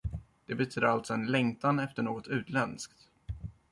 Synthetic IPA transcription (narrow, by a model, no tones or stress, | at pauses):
d̪̥ɛbɛt̪ʰyːd̪əɾalt̪sɔɛnlɛŋt̪anɛft̪əɳoːɡɔt̪ʉ̟ːt̪lɛnskt̪